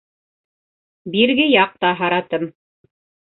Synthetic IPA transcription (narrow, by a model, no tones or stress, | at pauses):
biɾɡɘjɑq̚t̪ɑɦɑɾɑt̪ɤm